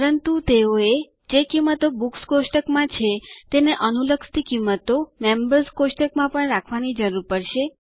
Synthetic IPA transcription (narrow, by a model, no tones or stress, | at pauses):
əɾənt̪ut̪eoe | d͡ʒekimːət̪obukskosʈəkmãt͡ʃʰet̪eneʔənuləkst̪ikimːət̪omembəɾskosʈəkmãpəɳɾakʰʋanid͡ʒəɾuɾpəɽʃe